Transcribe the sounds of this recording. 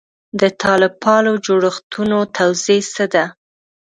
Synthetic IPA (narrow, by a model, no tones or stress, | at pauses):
d̪ət̪ʰɑlɪpʰɑnod͡ʒoɽəxt̪ʰunot̪ʰawzesəd̪a